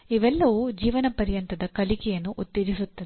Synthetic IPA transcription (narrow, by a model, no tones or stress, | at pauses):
iʋɛlːɐʋud͡ʒiːʋɐnɐpɐɾjɐnt̪ɐd̪ɐkɐlikɐjɐnːuʔut̪ːeɾisut̪ːɐd̪